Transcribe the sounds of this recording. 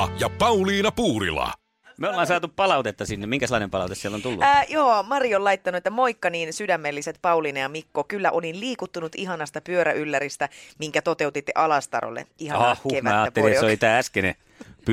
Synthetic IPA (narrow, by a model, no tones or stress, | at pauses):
jɑpɑuliːnɑpuːɾḭlɑ̰ | meolːɑːnsɑːt̪uppɑlɑut̪et̪ːɑsinːemiŋkæselːˑɑnempɑlɑut̪esielːont̪ulːṵjoːmɑriolɑit̪ːɑnuet̪ːæmoikːɑniːnsydæmːelːiset̪pɑuliːnɑjɑmikːokylːæʔolinliːkut̪ːunut̪iɦɑnɑst̪ɑpyøɾæʔylːæɾist̪æmiŋkæt̪ot̪eut̪it̪ːḛʔɑlɑst̪ɑ̰ro̰lːḛʔihɑɑhhueʋmæːɑːt̪ːellisolit̪æːæskenḛ | p